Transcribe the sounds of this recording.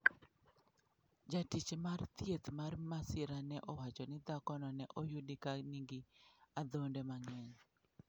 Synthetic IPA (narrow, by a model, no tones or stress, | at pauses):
d͡ʒatit͡ʃemart̪jet̪marmasɪɾanɛʔɔwat͡ʃɔnɪd̪akɔnɔnɛʔɔjudikaniŋɡiad̪ondɛmaŋɛɲ